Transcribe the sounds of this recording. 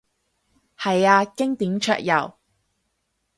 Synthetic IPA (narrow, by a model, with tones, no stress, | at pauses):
hɐ˨jaː˧kɪ˥ŋt̪iː˨˥mt͡ʃʰœ̰ː˧˨k̚jɐ̰˨˩w